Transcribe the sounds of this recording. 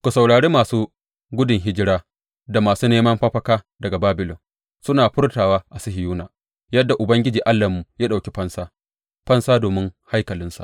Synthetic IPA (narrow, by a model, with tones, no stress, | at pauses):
kʷu˨sa˨wɽaː˨ɽeː˦maː˨suː˦ | ɡʷʊ˦dɪ˨ŋɦɪ˦d͡ʒɪ˦ɽaː˦ | da˨maː˨suː˦neː˦mɐ˦mɸɐ˦ɸɐ˦kaː˦ | dɐ˨ɡa˨baː˦bɪ˨lɔ˨n | sʊ˦naː˨ɸʊ˦rtaː˨waː˦ʔa˨sɪ˦hɪ˨juː˦naː˨ | jɐ˦dːa˨ʔʊ˨bɐ˦ŋɡʲɪ˦d͡ʒiː˨ʔa˦lːa˨mːu˨jaː˦ɗa˨wkʲe˦ɸɐ˦nsaː˦ | ɸɐ˦nsaː˦doː˨mɪ˦ŋha˦jkɐ˨lɪ˦nsa̰˨